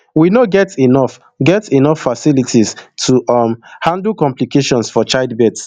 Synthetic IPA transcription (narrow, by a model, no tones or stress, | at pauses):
winoɡɛtinɔf | ɡɛtinɔfːasilitʰistʰumhãndl̩kɔ̃mplikeʃɔ̃nsfɔt͡ʃaɪdbɛts